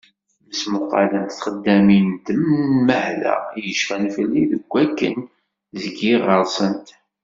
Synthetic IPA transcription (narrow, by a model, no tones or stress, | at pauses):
məsmʊqːɑ̰lənt̪θχəd̪ːæmint̪əmməhlæ̰jəʃfænfəlːiðəɡʷːækːə̰n | zəɡiʁəɾˤsˤənt̪